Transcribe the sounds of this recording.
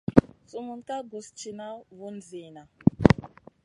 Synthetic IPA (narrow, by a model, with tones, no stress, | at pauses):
su˦mu˨nka˦ɡu˨st͡ʃi˨na˦βu˦nd͡ziː˨na˨